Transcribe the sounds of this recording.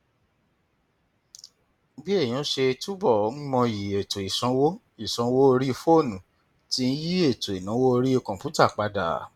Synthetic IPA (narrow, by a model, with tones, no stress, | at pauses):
bi˦ẽ˦˨ã˨˦ʃe˧tu˦bɔ˦˨˦n̩˦mɔ̃˧ji˨e˨to˨i˨sɔ̃˨˦wo˦ | i˨sɔ̃˨˦wo˦o˧ɾi˦˧fo˦˨nũ˨ | ti˦n̩˦ji˦e˦˨to˨i˨nã˨˦wo˦o˧ɾi˦i˧˨kɔ̃˨pu˨˦ta˦˨k͡pa˧da̰˨